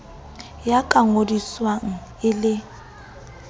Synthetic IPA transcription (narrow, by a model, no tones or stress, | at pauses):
jakʼaŋodiswaŋ̩ɪlɪ